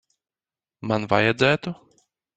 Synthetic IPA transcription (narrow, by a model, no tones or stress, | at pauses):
manva̰jɛd̪zʲæːt̪u